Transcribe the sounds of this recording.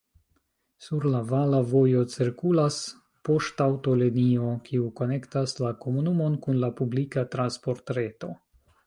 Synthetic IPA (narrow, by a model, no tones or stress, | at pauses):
suɾlavalavo̞jo̞t͡siɾkulas | po̞ʃtawto̞lenio̞kʰiuko̞ne̞ktaslako̞munumo̞nkunlapublikatɾanspo̞ɾtɾe̞to̞